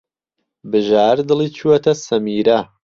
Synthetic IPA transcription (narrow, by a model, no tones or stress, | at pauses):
bɨʒaːɾd̪ɨlˠiːt͡ʃʰuɐt̪ʰɐsɐmiːɾɐ